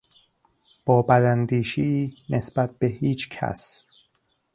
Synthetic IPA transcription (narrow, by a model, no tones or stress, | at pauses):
b̥ɒːbælænd̪iːʃiːnʔesb̥æt̪̚b̥ehiːt͡ʃʰcʰæ̰s